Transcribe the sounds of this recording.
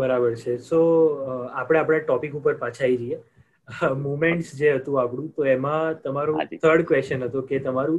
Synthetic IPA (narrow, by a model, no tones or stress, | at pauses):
bəɾabəɾt͡ʃʰeso | apɽ̃ẽapɽ̃aʈɔpikupəɾpãt͡ʃʰaid͡ʒəie | mumeɳʈsd͡ʒeɦət̪ũapɽ̃ũt̪oemãt̪əmaɾot̪ʰəɾɖkʋesənɦət̪oket̪əmaɾũ